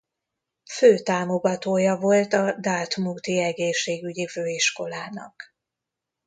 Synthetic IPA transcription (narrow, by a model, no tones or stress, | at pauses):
føːt̪aːmo̞ɡɒt̪oːjɒvo̞lt̪ɒd̪aːt̪muːt̪iɛɡeːʃːeːɡyɟiføːiʃko̞laːnɒ̰k